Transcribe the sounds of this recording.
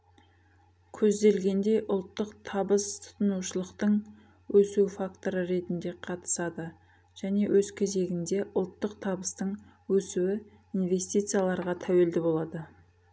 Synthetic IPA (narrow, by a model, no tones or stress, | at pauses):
kʲʰɵzd̪e̞lɡʲe̞nd̪e̞jʔʊlˠt̪ːəqt̪ʰɑbəst̪ʰʊ̥t̪ənuʃəlˠəqt̪əɴ | wɵsufakt̪o̞ɾəɾe̞t̪ɪnd̪e̞qʰɑt̪ə̥sɑd̪ə | ʒ̥æne̞wʔɵzkʲʰeze̞ɡʲɪnd̪e̞ʔʊlˠt̪ːəq̚t̪ʰɑbəst̪əɴ | wɵsuwɪ | inve̞st̪ijt̪sɨjalˠɑɾʁɑt̪ʰæwe̞ld̪ɪbo̞lˠɑd̪ə